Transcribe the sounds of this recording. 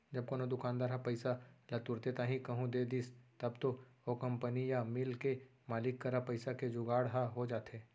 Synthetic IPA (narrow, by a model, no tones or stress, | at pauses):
d͡ʒɐb̚konõd̪ʊkaːnd̪aːɾɦapɐɪsalɐt̪ʊɾt̪et̪ãːɦĩkɐɦũd̪ed̪ist̪ɐbt̪ookɐ̃mpənijamɪlkemaːlɪkːɐɾapɐɪsaked͡ʒʊɡaːɽɦaɦod͡ʒaːt̪ɦeː